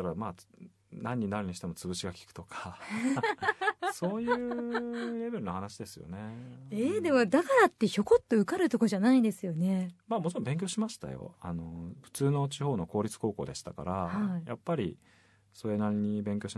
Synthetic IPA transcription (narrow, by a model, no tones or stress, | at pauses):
aɾamaː | nãɲ̟ːinaɾɯ̟ɲ̟iɕit̪e̞mo̞t͡sɨβɯ̟ɕiɡakʲi̥kɯ̥o̞kʰḁ | so̞ːjːɯɾe̞be̞ɾɯ̟no̞hanaɕid̪e̞sɨjo̞̰ne̞eːd̪e̞mo̞d̪akaɾat̪ːe̞ço̞ko̞t̪ːo̞ɯ̟kaɾɯ̟t̪o̞ko̞ʑanaid̪e̞sɨjo̞ne̞maːmo̞t͡ɕiɾo̞mbẽ̞ŋk̬ʲoɕimaɕi̥t̪a̰jo̰a̰no̞ɸɯ̥t͡sɨːno̞t͡ɕiho̞ːno̞ko̞ːɾʲit͡sɨ̥ko̞ːko̞̰ːd̪e̞ɕi̥t̪aka̰ɾahaija̰pːaɾʲi | so̞ɾe̞naɾʲiɲ̟ibẽ̞ŋkʲoɕi